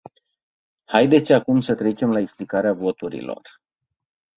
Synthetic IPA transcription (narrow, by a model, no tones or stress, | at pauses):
hajd̪e̞t̪sʲakumsət̪ɾe̞t͡ʃe̞mlaeksplikaɾeavo̞t̪uɾḭlo̰r